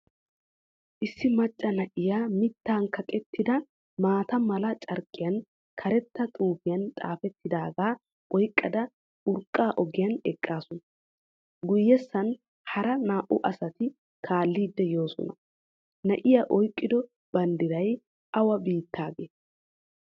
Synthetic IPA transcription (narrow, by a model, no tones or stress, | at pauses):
ʔɪsːɪmɐt͡ʃʼːɐnɐʔɪjaːmɪt̪ːaːnkʰɐkʼɛt̪ːɪd̪ɐ | maːt̪ɐmɐlɐt͡ʃʼɐɾkʼːɪjɐn | kʰɐɾɛt̪ːɐt̪ʼuːfɪjɐnt̪ʼa̰ːfɛt̪ːɪd̪aːɡaː | ʔɔjkʼːɐd̪ɐ | ʊɾkʼːaːʔɔɡɪjɐnɛkʼːaːsɔnɐ | ɡʊjːɛsːɐn | hɐɾɐnaːʔʊʔɐsɐt̪ɪ | kʰaːlːiːd̪ːɛjo̞ːsɔ̰nɐ | nɐʔɪjaʔɔjkʼːɪd̪ɔ | b̥ɐnd̪ɪɾɐj | ʔɐwɐbiːt̪ʰːaːɡeː